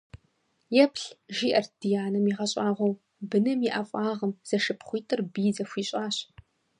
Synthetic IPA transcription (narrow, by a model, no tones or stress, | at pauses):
jɛpɬʒiːʔɐrd̥ijaːnɐmiʁɐɕʼaːʁʷɔw | bɨnɨmjiʔafʷʼɑːʁɐmz̥ɐʃɨpχʷiːtʰʼɨrbiːzɐfʷiːɕʼaːɕ